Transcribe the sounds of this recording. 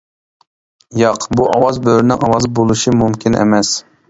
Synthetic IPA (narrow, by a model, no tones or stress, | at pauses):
jɑqbuʔɑwɑzbøɾɪnɪŋɑwɑzbolˠuʃimumkʲʰinʔḛmɛs